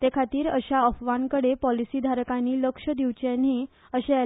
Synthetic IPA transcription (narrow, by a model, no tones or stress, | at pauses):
t̪ekʰat̪iːɾəɕaəfʋankəɽepɔlisid̪ʱaɾkaniːləkʂəd̪iʋt͡ɕaniː | əɕe